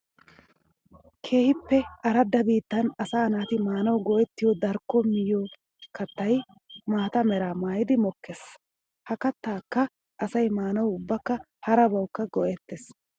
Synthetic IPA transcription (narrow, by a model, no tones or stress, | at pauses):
kʰe̞ːhɪpːɛɐɾɐd̪ːɐbiːt̪ːɐnɐsaːnaːt̪ɪmaːnɐwɡɔʔɛt̪ːɪjɔd̪ɐɾkːɔmɪjo | kʰɐt̪ːɐj | maːt̪ɐmɛɾaːmaːjɪd̪ɪmɔkːes | hɐkɐt̪ːaːkːɐ | ʔɐsɐjmaːnɐwʊbːɐkːɐ | hɐɾɐbɐwkːɐɡɔʔɛt̪ːes